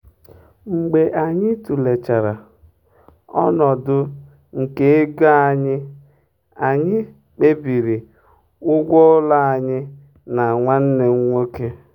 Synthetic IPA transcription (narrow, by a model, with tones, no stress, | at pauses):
ŋ͡m̩˨ɡ͡be˨ʔa˨ɲɪ˦tu˨le˨t͡ʃa˨ɾa˨ | ɔ̰˦nɔ˨dʊ˦ | ŋ̩˨ke˦ɡa˦a˨ɲɪ˦ | a˨ɲɪ˦ | k͡pe˦bi˨ɾi˨ | ʊ˦ɡʷɔ˦la˦a˨ɲɪ˦ | na˨ŋʷa˦n̩˦ne˨ŋ̩˦ŋʷo˦ke˦